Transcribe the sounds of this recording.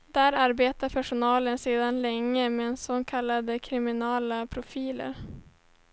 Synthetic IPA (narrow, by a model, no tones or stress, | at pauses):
d̪̥æɾaɾbeːt̪aɾpʰæʂʊnɑːlənseːd̪anlɛŋːəmɛnsɔŋkʰalːad̪əkʰɾɪmɪnɑːlapʰɾʊfiːlə̰ɾ